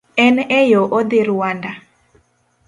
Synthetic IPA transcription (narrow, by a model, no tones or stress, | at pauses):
ɛnɛjoʔod̪ɪɾwanda